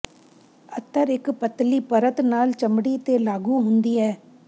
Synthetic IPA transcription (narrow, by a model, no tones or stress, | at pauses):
ət̪ːəɾɪkpət̪ːliːpəɾət̪naːlt͡ʃəmɽiːt̪elaːɡuːɦʊnd̪iːɛː